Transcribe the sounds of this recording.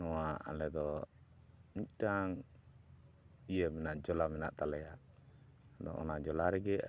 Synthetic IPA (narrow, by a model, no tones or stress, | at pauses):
nɔwaa̰lɛd̪ɔ | nic̚ʈaŋ | ijəmɛnaʔd͡ʒɔlamɛnaʔt̪alɛjaʔ | d̪ɔ̰ʔɔ̰nad͡ʒɔlaɾɛɡɛ